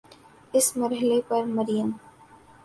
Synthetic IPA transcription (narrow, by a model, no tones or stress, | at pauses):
ɪsmɐɾɦɪlepɐɾmɐɾijəm